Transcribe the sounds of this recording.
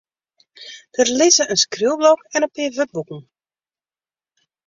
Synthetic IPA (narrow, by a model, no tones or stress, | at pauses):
d̥ərlɪzəʔənskrylˠblɔkɛnəpɪːvøt̚bukən̩